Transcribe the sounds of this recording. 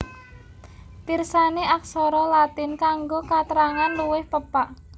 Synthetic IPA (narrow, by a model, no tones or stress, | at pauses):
t̪irsaneʔak̚sɔɾɔlat̪ɪnkaŋɡokat̪əɾaŋanluwɪhpəpaʔ